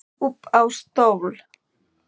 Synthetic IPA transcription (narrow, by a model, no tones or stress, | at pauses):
ʊpawst̪oβl